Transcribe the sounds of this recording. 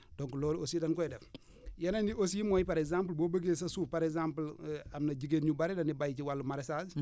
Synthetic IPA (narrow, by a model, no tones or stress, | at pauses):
dɔŋkulɔːlosiːdɐnkɔjdɛf | jɐnɐndiʔos̬imɔjpaɾɛɡzamplboːbəɡesɐsuːpaɾɛkzamplɐmnɐɟiɡeːnɲubɐɾɛdɐnibajciwalːumaɾɛsas